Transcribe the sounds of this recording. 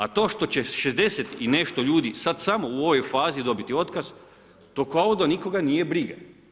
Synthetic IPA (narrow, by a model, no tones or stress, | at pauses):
at̪o̞ːʃt̪o̞t͡ɕeʃezd̪e̞set̪ine̞ʃt̪o̞ʎuːd̪isad̪samo̞uo̞ʋo̞jfaːzid̪o̞bit̪io̞t̪kaz | t̪o̞kaod̪aniko̞ɡanije̞bɾiɡa